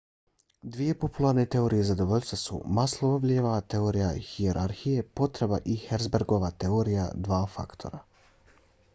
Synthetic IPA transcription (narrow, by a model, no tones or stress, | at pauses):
d̪ʋije̞po̞pulˠaɾne̞t̪e̞oːɾijezad̪o̞ʋo̞ʎʲst̪ʋasṵmaslˠoobʎeʋat̪e̞oːɾijaxieɾʔaɾxije̞po̞t̪ɾe̞baʔixeɾdzbeɾɡo̞ʋat̪e̞oːɾija̰d̪ʋaːfa̰kt̪ʰo̞̰ɾa